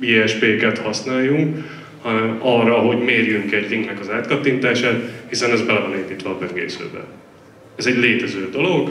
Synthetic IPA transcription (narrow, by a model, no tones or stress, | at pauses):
iɛʃpeːkɛt̪hɒsnaːjːuŋk | ɒrːɒɦo̞ɟmeːrjyŋkɛɟriŋɡnɛkɒzaːt̪kɒt̪ːint̪aːʃaːt̪hisɛnɛzbɛlɛvɒneːmpiːt̪ʋɒːbøŋɡḛːsø̰ːbɛ̰ | ɛzɛɟleːt̪ɛzøːd̪olo̞ɡ